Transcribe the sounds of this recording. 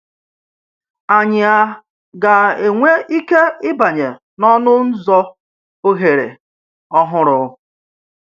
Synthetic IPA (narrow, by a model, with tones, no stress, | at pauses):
a˨ɲɪ˨a˨ | ɡa˨e˨ŋʷe˦i˦ke˦ɪ˦ba˨ɲe˨ | nɔ˦nʊ˦n̩˦zɔ˦ | o˦ɦe˨ɾḛ˨ | ɔ˦ɦʊ˦ɾʊ˨˦